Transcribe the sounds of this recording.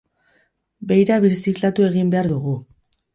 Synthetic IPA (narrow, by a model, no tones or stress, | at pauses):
be̞jɾaβiɾsiklat̪ue̞ɣimbe̞aɾðuɣu